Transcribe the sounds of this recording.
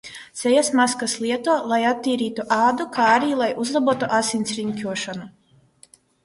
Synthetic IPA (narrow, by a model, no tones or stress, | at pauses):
t̪sʲɛjasmaskaslˠiɛt̪uɔlˠajat̪ːiːɾiːt̪uʔaːd̪ukaːaɾiːlˠajʔuzlˠabuɔt̪uʔasinʲsɾiɲkʲuɔʃanu